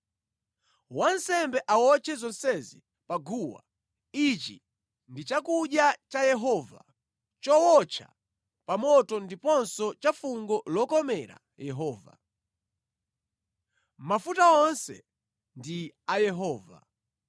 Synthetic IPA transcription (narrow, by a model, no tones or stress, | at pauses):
wansɛmbɛʔawɔt͡ʃʰɛzɔnsɛzi | paɡuwa̰ | it͡ʃḭ | ndit͡ʃakuɗjat͡ʃajɛɦɔva̰ | t͡ʃɔwɔt͡ʃʰa̰ | pamɔtɔndipɔnsɔt͡ʃafuŋɡɔlɔkɔmɛɾa̰ | jɛɦɔːva̰ | mafutaɔnsɛ̰ | ndiajɛɦɔːva̰